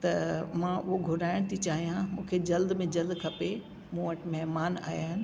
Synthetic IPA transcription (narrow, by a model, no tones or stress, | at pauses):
t̪ɐmãʊɦoɡʱʊɾaːɪɽ̃t̪ʰit͡ɕaːɦijãmũːkʰed͡ʑɐld̪mẽd͡ʑɐld̪kʰɐpe | mũːʋəʈmɛɦmaːna̰ːjaːɦɪnɪ̆